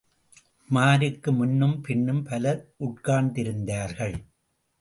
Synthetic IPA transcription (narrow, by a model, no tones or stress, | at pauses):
maːɾɯkːɯmʊnːɯmpɪɳːɯmpɐlɐɾʔʊʈ̚kaːɳd̪ɪɾɯnd̪aːɾɣɐɭ